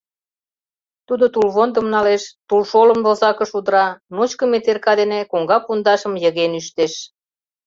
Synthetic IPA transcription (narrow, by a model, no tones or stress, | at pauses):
t̪ud̪ot̪ulβond̪ə̆mnɑleʃt̪ulʃolə̆mdozɑkə̆ʃud̪ɾɑnot͡ɕkə̆met̪erkɑd̪enekoŋɡɑpund̪ɑʃə̆mjə̆ɣenyʃt̪eʃ